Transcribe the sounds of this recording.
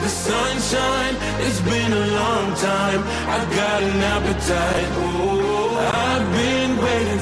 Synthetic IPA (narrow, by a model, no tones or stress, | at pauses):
ðɨsʌ̃nʃãɪ̃n | ɨzbɪ̃nəlɔ̃ŋtʰãɪ̃m | aɪvɡɑɾɨnæpɨtʰaɪt | aɪvbɪ̃ | nweɪɾɪ̃